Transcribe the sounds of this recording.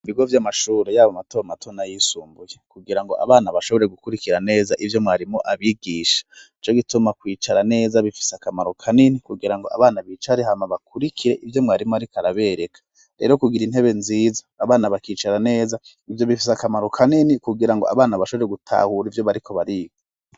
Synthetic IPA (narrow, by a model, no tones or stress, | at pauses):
iβiɡo̞vjamaʃuːɾejaːβamato̞matʰo̞najiːsuːmbuje̞kuɡiɾaŋɡo̞a̰βaːnaβaʃo̞βo̞ɾe̞ɡukuɾikiɾane̞ːzaʔivjo̞mŋaːɾimoʔaβiɡiːʃḁit͡ʃo̞ɡitumakwiːt͡ʃaɾane̞ːzaβifi̥seakamaɾo̞kʰaninikuɡiɾaŋɡo̞̰a̰βaːnaβit͡ʃaɾehamaβakuɾikʰiɾe̞ʔivjo̞mŋaːɾimoaɾikaɾaβe̞ɾe̞kḁ | ɾḛɾo̞kuɡiɾinhe̞βe̞nzizaːβaːnaβakiːt͡ʃaɾane̞ːza | ivjo̞βifis̬akamaɾo̞kʰaninikuɡiɾaŋɡo̞a̰βaːnaβaʃo̞βo̞ɾeɡutʰa̰huɾivjo̞βaɾikʰo̞βaɾiːɡo